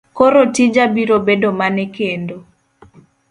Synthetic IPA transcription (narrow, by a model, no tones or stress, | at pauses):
koɾotid͡ʒabiɾobedomanɛkendo